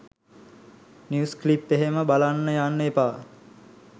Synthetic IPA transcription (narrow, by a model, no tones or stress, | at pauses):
njusklipːeɦeməbalanːəjanːəepaː